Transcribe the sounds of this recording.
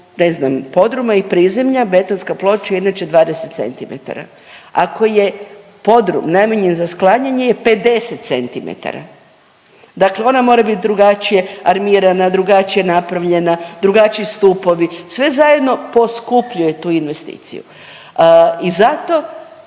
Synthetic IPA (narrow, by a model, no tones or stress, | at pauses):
neznampo̞d̪ɾumaipɾiːze̞mʎabe̞t̪o̞nskaplˠo̞t͡ʃjeinat͡ʃe̞d̪ʋaːd̪e̞se̞t̪se̞̰nt̪imḛt̪a̰ɾa̰ | ako̞je̞ | po̞d̪ɾumnameɲenzasklˠaɲaɲeje̞pe̞d̪e̞set̪t̪se̞nt̪imḛt̪a̰ɾa̰ | d̪akleo̞namo̞ːɾabit̪̚d̪ɾuɡat͡ʃije̞aɾmiːɾanad̪ɾuɡat͡ʃije̞napɾaʋʎe̞nad̪ɾuɡat͡ʃiist̪upo̞ʋisʋe̞zaje̞d̪no̞po̞skupʎuje̞t̪uːinʋe̞st̪ḭːt̪sḭjṵ | izat̪o̞